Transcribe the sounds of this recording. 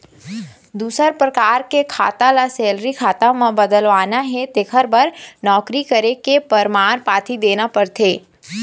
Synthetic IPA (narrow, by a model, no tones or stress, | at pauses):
d̪uːsəɾpɾɐkaːɾkekʰaːt̪alasɛːlɾikʰaːt̪amãbəd̪əlʋaːnaɦɛt̪eːkʰəɾbəɾnɔːkɾikəɾekepəɾmaːɾpaːt̪ʰid̪eːnapɐɾt̪ʰeː